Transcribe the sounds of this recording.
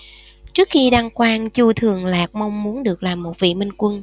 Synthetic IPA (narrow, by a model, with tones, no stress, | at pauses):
t͡ɕɨ˦˥ək̚xi˧ɗa˧ŋkwaː˧nt͡ɕu˧t̪ʰɨ˨˩əŋlaː˨˩k̚ma˧wŋ͡mmu˨˦ənɗɨ˨˩ək̚laː˨˩mːo˨˩t̚vḭ˧˨mï˧ŋ̟kwə˧n